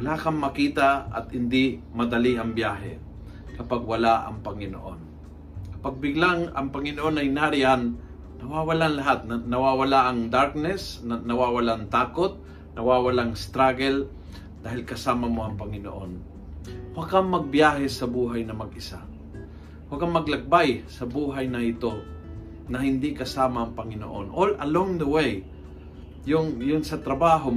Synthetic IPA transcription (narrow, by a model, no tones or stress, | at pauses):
wɐlakɐŋmɐkiːt̪aɐ̰t̪̚hɪnd̪ɪmɐd̪ɐliɐŋbjaːɦɛ̰ | kɐpaɡ̚wɐlaʔɐ̰ŋpɐŋɪno̰ʔo̞n | kɐpaɡ̚bɪɡlaŋɐ̰ŋpɐŋɪnoʔonɐjnaːɾɪanː | ɐwawalanlɐɦat̪̚nnɐwawalaʔɐŋd̪aɾk̚nɛsnɐwawalant̪aːkot̪̚ | nɐwawalaŋst̪ɾaɡɛl | d̪̥aːɦɪlkɐsaːmɐmoʔɐŋpɐŋɪno̰ʔon | wɐɡaŋmɐɡ̚bjaːɦɛsɐbuːɦajnɐmɐɡɪsa | wakaŋmɐɡ̚lɐk̚bajsɐbuːɦajnɐʔɪt̪o | nɐhɪnd̪ɪkɐsaːmaʔɐŋpɐŋɪno̰ʔo̰nʔolʔɐloŋd̪əwej | jʊŋjʊnsɐt̪ɾɐbaːɦo